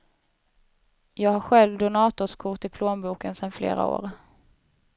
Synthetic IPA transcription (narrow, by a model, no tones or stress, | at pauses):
jɑːɡhaɾɧɛlvd̪ʊnɑːt̪ʊʂkʰʊʈɪpʰloːnbuːkənsɛnflḛːɾa̰o̰ːɾ